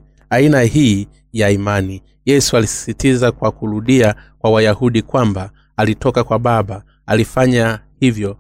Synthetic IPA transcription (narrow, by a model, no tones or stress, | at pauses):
ainahiː | jaimani | jɛsualisi̥sitizakwakuɾuɗiakwawajahuɗikwambaː | litɔkakwaɓaɓa | alifaɲahivjɔ